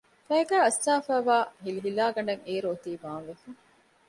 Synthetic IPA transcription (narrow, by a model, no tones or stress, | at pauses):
fɐɡæːɐst̪aːfæːʋaːɦiliɦilaːɡɐɳɖɐŋeːɾoːt̪iːʋaːnʋefɐŋ